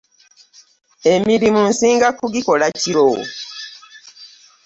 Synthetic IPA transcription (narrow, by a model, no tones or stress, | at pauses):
emiɾimun̩siːŋɡakuɡiko̞laciɾo̰